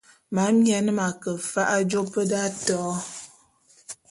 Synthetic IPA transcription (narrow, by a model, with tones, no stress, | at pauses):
ma˨˦mjɛ˨˦n˦ma˨kə˨fa˦ʔa˦d͡ʒo˦pə˦da˦tɔ˨˦